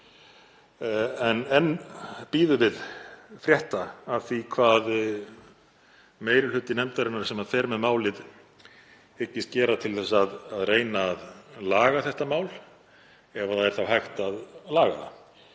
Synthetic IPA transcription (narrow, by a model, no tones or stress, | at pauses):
ɛnɛnpiːðʏvɪðfɾjɛht̪aːvθikʰvaːð | meːjɾɪlʏt̪ːɪnɛmt̪aɾɪnːaɾ̥sɛmaðfɛːɾmɛðmaːwlɪð | ɪcːɪst̪cɛːɾat̪ʰɪlθɛsːaðaðreːjnaːðlaːɣaθɛht̪amaːwl | ɛvaθaðɛɾ̥θawɦajxt̪aðlaːɣa̰ða̰